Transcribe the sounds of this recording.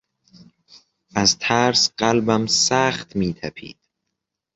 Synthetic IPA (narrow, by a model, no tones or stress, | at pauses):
ʔæzt̪ʰæɾsɢ̥ælbæmsæːχt̪ʰmiːt̪ʰæpʰḭːd̪̥